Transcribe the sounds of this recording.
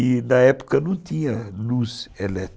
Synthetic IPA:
inɐɛpu̥kɐnɐ̃t̪ĩɲɐluzelɛt̪

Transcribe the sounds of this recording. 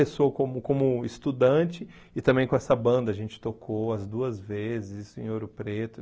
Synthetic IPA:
esoɐkõmʊkõmʊɪst̪ud̪ɐ̃t͡ʃɪ | ɪt̪ɐ̃mbẽj̃kõɛsɐbɐ̃nd̪ɐʒẽnt͡ʃɪ̥t̪okʰowɐzd̪uɐzvezɪɪzisʊḛ̃j̃oɾʊpɾet̪ʊ

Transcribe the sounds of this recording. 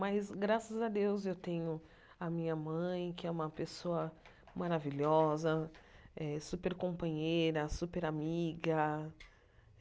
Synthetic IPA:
majzɡɾasɐzɐd̪ewzewt̪ẽɲʊ | ɐmĩɲɐmɐ̃j̃kɪɛũmɐpesoɐ | maɾaviʎɔzɐɛsupeɾkõpɐ̃ɲejɾɐsupeɾamiɡɐ

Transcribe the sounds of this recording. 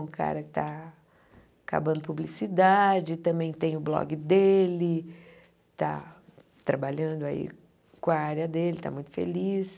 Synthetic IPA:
ũka̰ɾɐkɪ̥t̪a | ka̰bɐ̃nd̪ʊpublisid̪ad͡ʒɪt̪ɐ̃mbẽj̃t̪ẽj̃ʊblɔ̰ɡɪd̪elɪ | t̪a̰ | t̪ɾabaʎɐ̃nd̪ʊaḭ | kõaaɾiɐd̪elɪt̪a̰mũj̃t̪ʊ̥fḛlis

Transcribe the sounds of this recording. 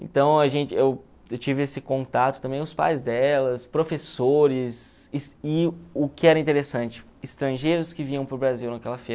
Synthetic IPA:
ḛ̃nt̪ɐ̃w̃ɐʒẽnt͡ʃɪew | ewt͡ʃivɪesɪkõnt̪at̪ʊ̥t̪ɐ̃mbẽj̃ʊspa̰jzd̪ɛlɐspɾofesoɾɪs | ɪsɪʊkɪɛɾɐĩnt̪eɾesɐ̃nt͡ʃɪ̥ | ɪst̪ɾɐ̃ʒejɾʊskɪvĩɲɐ̃w̃pʊɾbɾaziwnɐkɛlɐfeɾ

